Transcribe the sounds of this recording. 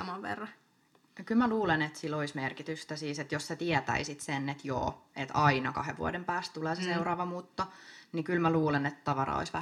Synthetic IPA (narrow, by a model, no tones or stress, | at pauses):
ɑmɑʋʋḛrːɑ | kylmæluːlenet̪siloismerkit̪yst̪æsiːset̪josset̪iɛt̪æ̰isit̪senːet̪jo̰ːet̪ɑinɑkɑ̰hḛʋʋṵɑ̰dempæːst̪t̪uleːseseurɑːʋɑmuːt̪ːonikylmæluːlenet̪t̪ɑʋɑɾɑ̰o̰isʋæ